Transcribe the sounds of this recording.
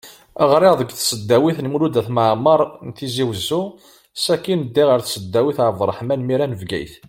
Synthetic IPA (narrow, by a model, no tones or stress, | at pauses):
əʁɾɪʁðˤəɡθsəd̪ːæwiθnmulud̪æθməʕməɾˤnt̪iziwəzːu | sækːinəd̪ːiʁəɾθsəd̪ːæwiθəɾˤəvˤɾˤəħmænmiɾænəvɡæ̰jθ